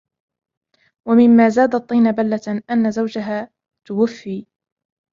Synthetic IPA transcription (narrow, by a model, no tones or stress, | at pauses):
wamɪmːaːzaːd̪ɑt̪ˤːiːnabalːaʔanːazawd͡ʒaɦaː | t̪ʊwʊfːiː